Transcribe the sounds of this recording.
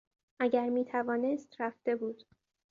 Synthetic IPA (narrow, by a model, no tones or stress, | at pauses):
ʔæɟæɾmiːt̪ʰævɒːne̞st̪ɾæft̪e̞buːd̪̥